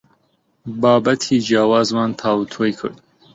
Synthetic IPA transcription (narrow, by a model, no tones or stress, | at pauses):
baːbɐt̪ʰiːd͡ʒiaːwaːzmaːnt̪ʰaːwut̪ʰoːjkʰɨ̰ɾd̪